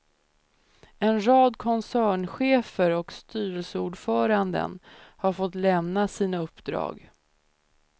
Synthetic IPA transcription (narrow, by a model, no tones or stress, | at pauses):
ɛnɾɑːd̪kʰɔnsæːɳɧeːfəɾɔkst̪yːɾəlsəuːɖfœːɾand̪ə̰nhaɾfɔt̪lɛmnasiːnaɵpːd̪ɾɑ̰ːɡ